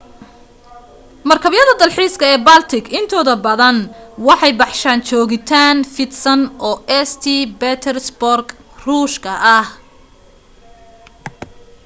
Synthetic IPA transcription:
mɐrkʰɐβjɐðɐd̪ɐlħiːskʰɐɛːbalt̪ʰɪkʰɪnt̪ʰɔːðɐbɐðɐnwɑħɑjbɑħʃaːnt͡ʃɔːɣɪt̪ʰaːnfɪd̪sɐnʔɔːɛst̪ʰibɛt̪ʰɛrsbɔrɡ | ruːʃkʰɐʔɐh

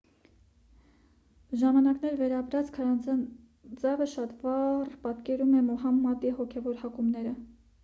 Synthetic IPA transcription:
ʒɑmɑnɑknɛɾvɛɾɑpɾɑt͡skʰɑɾɑ | d͡zɑvəʃɑt̪vɑrpɑt̪kɛɾumɛmɔɦɑmːɑd̪iɦɔkʰɛvɔɾhɑkumnɛɾə

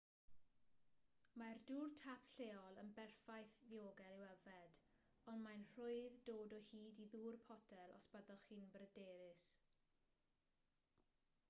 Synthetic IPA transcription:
marduːrtʰapʰɬeːɔlˠənbɛrfajθðioːɡɛlˠiwɛvɛd | ɔnmajnr̥ʊɨðdoːdɔhiːdiðuːrpʰɔdʰɛlˠɔ̰sb̥əðɔχiːnbrədeːɾɪs

